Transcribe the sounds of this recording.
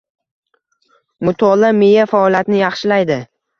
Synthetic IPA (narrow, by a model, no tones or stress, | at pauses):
mʊt̪ʰɒlamejafaɒlˠjat̪nɪjɑχʃɪlajd̪ɪ